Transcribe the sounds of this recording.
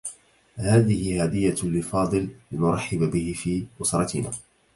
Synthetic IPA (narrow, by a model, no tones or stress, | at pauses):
haːðɪhɪhaːd̪ɪjːalɪlfɑːd̪ˤɨllɪnʊɾˤɑħːɪbabɪhɪfiːʔʊsɾˤɑt̪ɪnaː